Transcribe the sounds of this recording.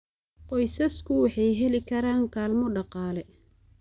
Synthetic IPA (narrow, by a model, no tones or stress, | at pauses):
qɔjsɐskʰʊwɑħɑjɦɛlɪkʰɐɾaːŋkʰaːlmɔɖɑqɑːlɛ